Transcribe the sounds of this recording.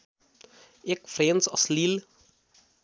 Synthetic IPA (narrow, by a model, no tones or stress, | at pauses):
ekfɾeːnsɑslil